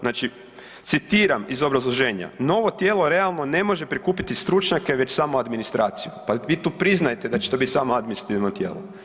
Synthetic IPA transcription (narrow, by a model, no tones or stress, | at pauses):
naːt͡ʃi | t̪sit̪iːɾamizo̞bɾazlˠo̞ʒe̞ːɲa̰no̞ʋo̞t̪jeːlˠo̞ɾe̞alˠno̞ne̞mo̞ʒe̞pɾikuːpit̪ist̪ɾut͡ʃɲake̞ʋe̞t͡ʃsaːmoad̪minist̪ɾʔaːt̪sijupaʋiːt̪uːpɾiznajet̪e̞d̪at͡ʃe̥t̪o̞bit̪ʲsaːmoad̪minist̪ɾat̪iʋnot̪jḛːlo̰